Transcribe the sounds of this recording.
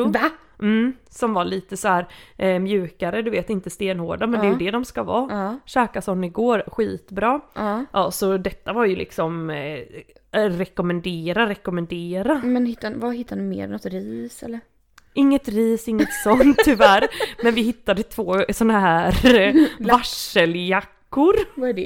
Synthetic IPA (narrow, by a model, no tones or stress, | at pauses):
m̩sɔmvaɭiːt̪əsɔhæːɾmjʉ̟ːkaɾəd̪ɵveːt̪ɪnt̪əst̪eːnhoːɖamɛnd̪ɛjʉd̪ɛd̪ɔmskavɑːɕɛːkasɔnːɪɡoːɾɧiːt̪bɾɑːʔɑːsɔd̪ɛt̪ːavaɾjɵlʔɪ̰ksɔm | ɾɛkɔmɛnd̪eːɾaɾɛkɔmɛnd̪eːɾamɛnhɪt̪ːavahɪt̪ʰːanʉmḛːɾɛnɔt̪ɾiːsɛ̰lːəɾ | ʔɪŋːət̪ɾiːsɪŋːət̪sɔnt̪ʰːʏvæːɾmɛnvɪɦɪt̪ːad̪ət̪ʰvoːsɔnːaɦæːɾvaʂəljakːʊɾvaɖɛ